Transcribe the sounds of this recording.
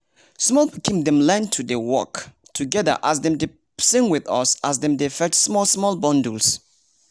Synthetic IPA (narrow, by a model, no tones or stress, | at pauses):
smɔlbikʰĩmdɛ̃mlɛ̃ntʰudewɔ̰k | tʰuɡɛðə̰ʔasdɛ̃mde | sɪ̃ŋwiðʌ̰sasdɛ̃mdefɛtsmɔlsmɔlbɔ̃nduls